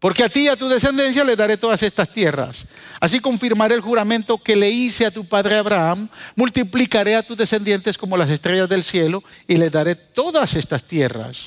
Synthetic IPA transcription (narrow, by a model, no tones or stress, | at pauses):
po̞ɾkeat̪iat̪uðe̞se̞nd̪e̞ns̬jale̞ðaɾe̞t̪o̞ðase̞st̪ast̪je̞ra̰s | as̬iko̞ɱfiɾmaɾeːlxuɾamẽnt̪o̞ke̞le̞iseat̪upaðɾe̞aβɾaamːult̪iplikaɾe̞at̪uzðe̞se̞nd̪je̞nt̪e̞sko̞mo̞las̬e̞st̪ɾeʝazðe̞lsje̞loile̞zðaɾe̞t̪o̞ðasest̪ast̪je̞ra̰s